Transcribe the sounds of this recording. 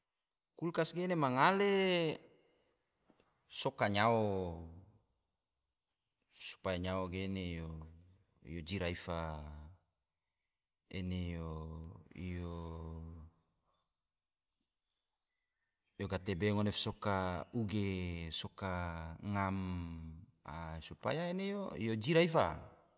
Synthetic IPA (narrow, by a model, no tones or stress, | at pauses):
kulkasɡenemaŋale | sokaɲao | su̥pajaɲaoɡenejo | ḭjod͡ʒiɾaifa | ḛnejo | ijo | joɡat̪ebeŋonefsokauɡesokaŋam | a̰supa̰jaenejo̰jod͡ʒiɾaifa